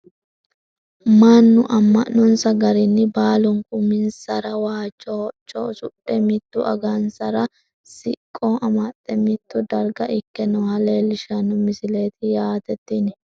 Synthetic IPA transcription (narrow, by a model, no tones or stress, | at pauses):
manːʊʔɐmːɐʔːɔnsɐɡɐɾɪnːɪbaːlʊŋkʼʊmɪnsɐɾɐwaːt͡ʃʼːɔt͡ʃʼːo̰sʊɗɛmɪt̪ːʊʔɐ̰ɡansɐɾɐ | sɪkʼːoːɐmɐt̪ʼːɛmɪt̪ːʊd̪ɐɾɡɐʔɪkːɛnɔhɐle̞ːlɪʃɐnʊmɪsɪle̞ːt̪ɪjaːt̪ɛt̪ːɪnɪ